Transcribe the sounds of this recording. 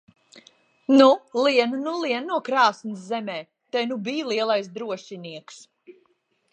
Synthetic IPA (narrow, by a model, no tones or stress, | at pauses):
nuliɛnunuliɛnnuɔkɾaːsnɨszɛmɛː | t̪ɛjnubiːlˠiɛlˠajsd̪ɾuɔʃiniɛks